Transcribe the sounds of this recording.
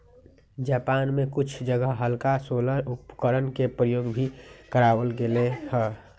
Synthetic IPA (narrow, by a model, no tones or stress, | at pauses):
d͡ʒaːpaːnmẽkʊt͡ʃʰd͡ʒəɡəɦɦəlkasoləʊpkəɾənkepɾəjoːɡbʱikəɾaːʋəlɡelehə